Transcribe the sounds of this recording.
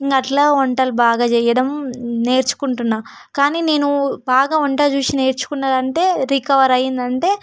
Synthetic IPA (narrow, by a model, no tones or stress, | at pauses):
iŋkɐʈlaːɔɳʈɐlbaːɡaːt͡ʃɛːjɐɽɐmne̞ːɾt͡ʃu̥kuɳʈunːaː | kaːniːne̞ːnubaːɡaːɔɳʈaːt͡ʃuːt͡ʃine̞ːɾt͡ʃu̥kunːaːɾɐɳʈe̞ːɾikɐʋɐɾɐjːind̪ɐɳʈe̞ː